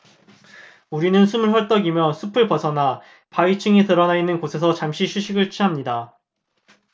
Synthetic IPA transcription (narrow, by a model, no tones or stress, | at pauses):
uɾinɯnsʰumɯɭwʌɭt͈ʌɡimjʌsʰupʰɯɭpʌsʰʌna | pait͡ɕʰɯŋitɯɾʌnainːɯnkosʰe̞sʰʌt͡ɕamɕʰiɕʰuɕʰiɡɯɭt͡ɕʰiɦamɲida